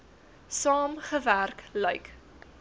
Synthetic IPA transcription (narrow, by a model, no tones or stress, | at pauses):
sɑːmχəværklœɥk